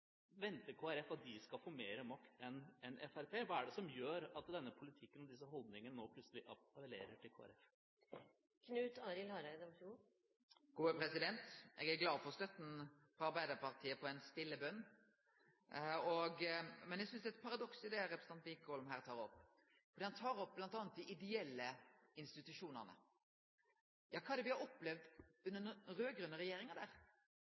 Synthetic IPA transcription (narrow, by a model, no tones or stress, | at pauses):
ʋɛnt̪əkʰoːæɾɛfɑt̪̚d̪ɪskɑlfoːmeːɾəmɑkt̪ʰɛnɛnɛ̰fæɾpʰeːʋɑːæɖɛsɔmjøːɾɑt̪d̪ɛnːəpʰʊlɪt̪ʰɪkːənɔd̪ɪs̬əɦɔld̪nɪŋənənoːpʰlʉt̪səlɪʔɑpəlḛːɾəʈʰɪlkʰoːæ̰ɾɛf | kʰnʉːt̪ɑːɾɪlhɑɾæɪd̪ɔmfuː | ɡ̥uːəpɾɛsɪd̪ɛnt̪ʔɛ̰ɡæɾɡlɑːd̪fɔʁst̪œt̪n̩ | fʁɔɑɾbæɪd̪əɾpɑɾt̪ʰiːəpʰɔɛnst̪ɪlːəbœnː | ɔɡmɛnjɛɡsʏnsd̪ɛt̪pʰɑɾɑd̪ɔksɪd̪ɛɾɛpɾs̩ɑnt̪liːkɔlɔmɦæːɾt̪ʰɑːɾɔpː | fɔd̪iːhɑnt̪ʰɑːɾɔp̚ːblɑnt̪ɑːnət̪̚d̪ɪʔɪd̪ɛɛlːəɪnst̪ɪt̪ʉʂuːnə̰ʁnə̰ | jɑːkʰɑːɛd̪ɛʋɪhɑɾɔpːlɛʋd̪ʉnːənɾøːɡɾʉnːəɾɛjeːɾɪŋəd̪æːɾ